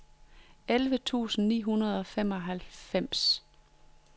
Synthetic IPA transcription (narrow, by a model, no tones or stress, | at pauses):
elʋət͡sʰṵːsn̩nḭːɦunɐð̞ˠɒ̽fem̰ɒ̽ɦælfem̰s